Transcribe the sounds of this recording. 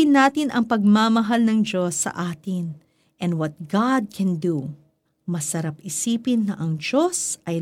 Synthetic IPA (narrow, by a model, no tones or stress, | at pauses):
ɪnːaːt̪ɪnʔɐŋpɐɡ̚mamɐɦalnɐŋd͡ʒo̞sːɐ̰ʔaːt̪ɪn | ʔɛ̃nd̪wɐt̪̚ɡad̪̚kʰɛnd̪u | mɐsɐɾapɪsiːpɪnːɐʔɐŋd͡ʒo̞sʔɐj